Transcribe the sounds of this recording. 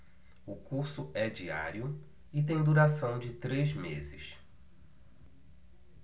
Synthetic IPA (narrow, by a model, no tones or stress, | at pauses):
ʊkuɾsʊɛd͡ʒia̰ɾjʊ | ɪt̪̬ẽj̃d̪uɾasɐ̃w̃d͡ʒɪt̪ɾezmezɪs